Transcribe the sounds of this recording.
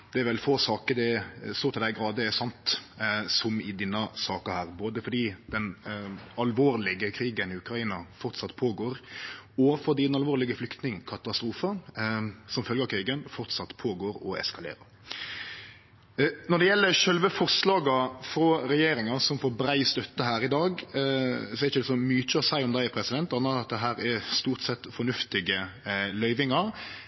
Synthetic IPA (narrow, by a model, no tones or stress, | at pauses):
d̪̥ɛɛɾʋɛlfoːsɑːkəɾd̪ɛst̪oːt̪ʰɪld̪æɪɡɾɑːd̪əɛsɑnt̪sɔmɪd̪ɪnːɑsɑːkəhæːɾboːd̪əfɔɾd̪iːd̪̥ɛnɑlʋoːɾlɪɡəkʰɾiːɡənɪʉkɾɑiːnɑfɔɾt̪sɑt̪ːpʰoːɡoːɾɔfɔd̪iːd̪ɛnɑlʋoːɾlɪɡəflʏkt̪nɪŋkʰɑt̪ɑst̪ɾuːfə | sɔmfœlɡəɾkʰɾiːɡənfɔʁt̪sɑt̪ːpʰoːɡoːɾɔ̰ɛ̰skɑlḛːɾɑ̰ɾ | nɔd̪ɛjɛlːəɾʃœlʋəfɔʁslɑːɡɑfɾɔɾɛjeːɾɪŋɑsɔmfoːɾbɾæɪst̪œt̪ːəɦæːɾɪd̪ɑːɡ | sɔɛɾɪçəd̪ɛsɔmyːc͡çəsæɪɔmd̪æɪæpʰɾɛsɪd̪ɛnt̪ɑːnːəɾɑt̪̚d̪ɛɦæːɾɛst̪uːɾt̪sɛt̪ːfɔnʉft̪ɪɡəlœʏʋɪŋɑɾ